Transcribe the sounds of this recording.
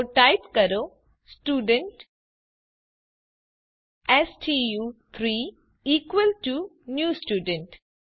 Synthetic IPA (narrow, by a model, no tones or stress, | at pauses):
ʈaɪpkɐɾo | sʈuːɖə̃ɳʈ | esʈʰijuːt̪ʰɾiː | iːkʋəlʈunjuːsʈjuːɖə̃ɳʈ